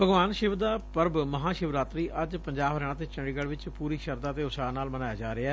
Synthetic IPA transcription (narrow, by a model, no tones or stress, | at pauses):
bəɡʋaːnʃɪʋd̪aːpəɾbməɦãːʃɪʋɾaːt̪ɾiːʔəd͡ʒpəɲd͡ʒaːbɾɛːɽãːt̪̬eːt͡ʃə̃ɖiːɡəɽʋɪt͡ʃpuːɾiːʃəɾd̪aːt̪eːʊsaːnaːlmənaːjaːd͡ʒaːɾeaː